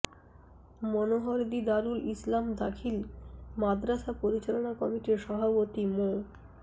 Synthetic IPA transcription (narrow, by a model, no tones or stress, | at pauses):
mɔnoɦoɾd̪id̪aɾulislamd̪akʰilmad̪ɾaʃapoɾit͡ɕalonakɔmiʈiɾʃɔbʱapot̪imo